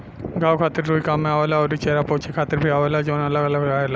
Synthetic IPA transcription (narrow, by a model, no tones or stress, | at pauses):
ɡaːwkʰaːt̪ɪɾɾuːikaːmːẽaːʋelaɔːɾit͡ʃeːɾapɔːt͡ʃʰekʰaːt̪ɪɾbʱiaːʋelad͡ʒoːnɐləɡɐləɡaːeːla